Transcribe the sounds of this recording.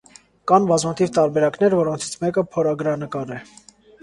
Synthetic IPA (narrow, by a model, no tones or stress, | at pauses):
kɑnbɑzmut̪ʰivt̪ɑɾbɛɾɑknɛɾvɔɾɔnt͡sʰi̥t͡sʰmɛkəpʰɔɾɑɡɾɑnəkɑɾɛ